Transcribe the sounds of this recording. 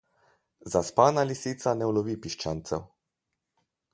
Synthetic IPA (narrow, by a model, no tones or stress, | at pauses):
zaspaːnalisit̪sanɛwlɔʋipiʃt͡ʃant̪sɛw